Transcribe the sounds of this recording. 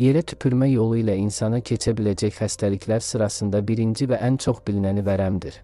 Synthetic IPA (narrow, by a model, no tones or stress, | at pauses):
je̞ɾæt̪ʰy̥pʰyɾmæjo̞lˠuilæinsɑnɑcʰe̞t͡ʃʰæbilæd͡ʒæçχæst̪ʰælicʰlæɾsɯɾɑsɯnd̪ɑbiɾind͡ʒivæʔænt͡ʃʰo̞χbilnænivæɾæmd̪iɾ